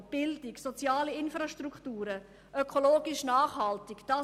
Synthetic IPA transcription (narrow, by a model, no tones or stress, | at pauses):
b̥ɪldɪksot͡sjaːliɪnfɾaʃtruktuːɾə | ʔøkʰoloːɡɪʃnaːχhɑltɪkd̥ɑ